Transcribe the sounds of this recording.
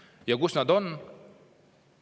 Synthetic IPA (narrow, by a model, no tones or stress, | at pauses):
jɑɡusnad̪on